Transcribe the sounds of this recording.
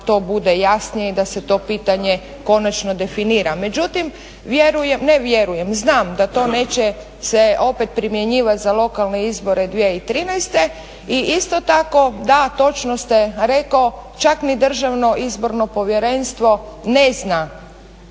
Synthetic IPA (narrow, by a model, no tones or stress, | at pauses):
t̪o̞ːbud̪ejasnijeid̪ase̞t̪o̞ːpiːt̪aɲe | ko̞nat͡ʃnod̪e̞finiːɾame̞d͡ʒut̪im | ʋjeɾujemneʋjeɾuje̞mznaːmd̪at̪o̞ːne̞ːt͡ɕe | seo̞pet̪̚pɾimje̞ɲiːʋat̪zalˠo̞kalne̞izbo̞ɾe̞d̪ʋjeit̪ɾinajst̪e̞ | iʔist̪o̞t̪ako̞d̪at̪o̞t͡ʃnost̪eɾekaot͡ʃaknid̪r̩ʒaʋno̞ʔizbo̞ɾno̞po̞ʋje̞ɾe̞nst̪ʋo̞ne̞zna